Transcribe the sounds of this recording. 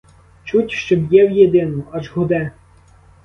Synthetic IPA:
t͡ʃutʲʃt͡ʃɔbjɛwjed̪ɪnʊɐʒɦʊd̪ɛ

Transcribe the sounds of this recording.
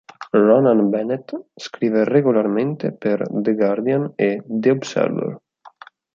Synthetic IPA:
rɔnanbɛnet̪skɾivereɡularment̪epeɾd̪eɡaɾd̪janed̪eobsɛ̰lːo̰l

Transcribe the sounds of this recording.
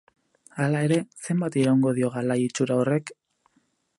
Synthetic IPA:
alae̞ɾe̞se̞mbat̪iɾawŋɡo̞ðio̞ɣalajit͡ʃuɾaore̞k

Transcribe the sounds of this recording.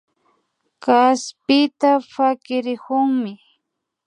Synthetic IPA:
kaspɪt̪afakɪɾɪhʊŋmɪ

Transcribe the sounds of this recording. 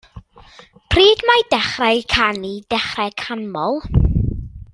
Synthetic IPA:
pʰriːdmajdɛχrɛjkʰanid̥ɛχrɛkʰanmɔlˠ

